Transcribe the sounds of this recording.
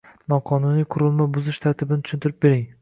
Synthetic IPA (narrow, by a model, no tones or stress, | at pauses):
nɒqʰɒnʊnijqʰʊɾɪlˠmabʊzɪʃt̪ʰaɾt̪ʰɪbɪnɪt̪ʰʊ̥ʃɪnt̪ɪɾɪp̚be̞ɾɪŋ